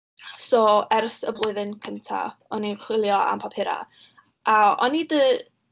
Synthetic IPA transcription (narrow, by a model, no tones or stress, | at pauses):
soːɛrsəblˠʊɨðɪnkʰəntʰa̰ɔniχwɪlˠjɔa̰mpʰapʰɪɾa̰ | ʔaɔ̰nidə